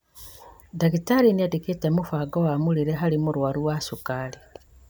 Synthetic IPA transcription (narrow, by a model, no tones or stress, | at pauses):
dakitaɾiniadiketemufaɡowamuliɾeɦalimuɾwaɾuwasukali